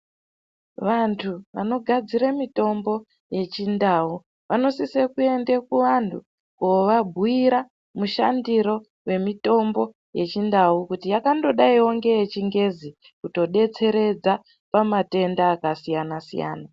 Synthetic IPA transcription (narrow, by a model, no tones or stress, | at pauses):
ʋantʰuʋa̰no̞ɡʱad͡ziɾamito̞mbo̞ | je̞t͡ʃindaːu | ʋano̞sisekue̞ndekuʋantʰu | koʋabʱuiɾa | muʃandiɾo̞ | we̞mito̞mbo̞ | je̞t͡ʃindaukutijakando̞ɗaioŋɡe̞jet͡ʃiŋɡe̞zi | kuto̞ɗe̞t͡se̞ɾe̞d͡za | pamate̞ndaːkasijanasḭja̰ːna